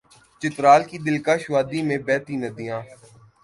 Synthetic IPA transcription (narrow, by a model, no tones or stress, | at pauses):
t͡ʃɪt̪ɾaːlkid̪ɪlkaːʃʋaːd̪imẽbɛːt̪inəd̪ijãː